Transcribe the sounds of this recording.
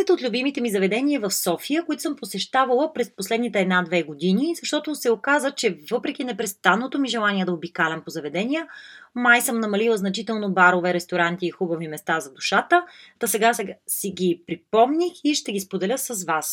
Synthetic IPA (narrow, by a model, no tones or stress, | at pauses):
ɛt̪ot̪lʲubimit̪ɛmizɐvɛd̪ɛnʲiəvɐfsɔfijəkʊit̪o̥sɤmposɛʃt̪avəlˠəpɾɛsposlɛd̪nit̪ɛɛd̪nad̪vɛɡod̪inizɐʃt̪ɔt̪osɛokazət͡ʃɛvɤpɾɛk̟inɛpɾɛst̪anːot̪omiʒɛlˠaniɛd̪ɐobikalʲɛmpozɐvɛd̪ɛnijəmajsɤmnɐmɐlilˠəznɐt͡ʃit̪ɛlˠnobaɾovɛɾɛst̪oɾant̪iːxubəvimɛst̪azɐd̪uʃat̪ət̪ɐsɛɡasiɡʲipɾipɔmnixiʃt̪ɛɡispod̪ɛlʲəsəzvas